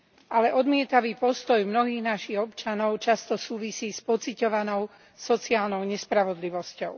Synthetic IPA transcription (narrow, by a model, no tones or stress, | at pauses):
ʔalɛʔɔd̪mɪɛt̪aʋiːpɔst̪ɔjmnɔɦiːɣnaʃiɣɔpt͡ʃanɔʊt͡ʃast̪ɔsuːʋisiːspɔt͡sicɔʋanɔʊ | sɔt͡siaːlnɔʊɲɛspɾaʋɔd̪liʋɔscɔʊ